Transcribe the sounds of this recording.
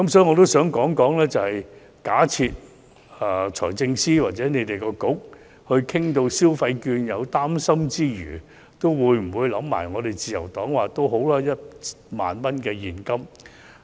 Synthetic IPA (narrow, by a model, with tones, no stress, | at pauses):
kɐ˦˥msɔː˦˥ji˨ŋɔ˨˧t̪o˥wsœː˨˥ŋkɔː˨˥ŋkɔː˨˥ŋlɛː˥t͡sɐ˨whɐ˨j | kaː˨˥t͡sʰiː˧t̚ | ɛ˨˩t͡ʃʰɔː˨˩jt͡sɪ˧ŋsiː˥waː˨t̚t͡sɛː˨˥ne˨˧jt̪e˨jkɔː˧kʊ˨˥k̚ | hɵ˧ɥkʰɪ˥ŋt̪o˧wsiː˥wfɐ˧jkyː˧njɐ˨˧wt̪aː˥msɐ˥mt͡siː˥jyː˨˩ | t̪o˥wwuː˨˧˥jm̩˨˩wuː˨˧jlɐ˨˥mːa̰ː˨˩jŋɔː˨˧t̪e˨jt͡siː˨jɐ̰˨˩wt̪ɔː˨˥ŋwaː˨t̪o˥wɦo˨˥wlaː˥jɐ˥t̚ | ma̰ː˨nmɐ˥nkɛː˧jiː˨˩nkɐ˥m